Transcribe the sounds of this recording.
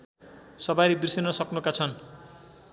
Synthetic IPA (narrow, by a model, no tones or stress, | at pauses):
sʌbaɾibrisenʌsʌknukat͡sʰʌn